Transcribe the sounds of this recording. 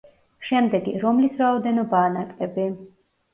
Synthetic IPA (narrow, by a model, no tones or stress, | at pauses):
ʃɛmd̪ɛɡiɾɔmlisɾaɔd̪ɛnɔbaːnakʼɛbi